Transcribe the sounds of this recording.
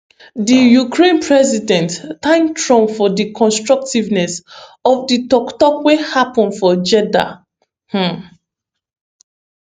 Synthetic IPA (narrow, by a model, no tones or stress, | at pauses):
dijukʰɹẽnpʰɹɛzidɛ̃nttãŋɡtʰɹɔ̃mfɔdikʰɔ̃nstɹɔk̚tivnɛsɔfditɔktɔkwehapɔ̃nfɔd͡ʒɛda̰ | h̩